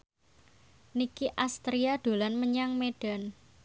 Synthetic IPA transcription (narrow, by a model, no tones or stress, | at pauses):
nikiʔast̪ɾiad̪̥o̤lanməɲaŋmeɖ̥a̤n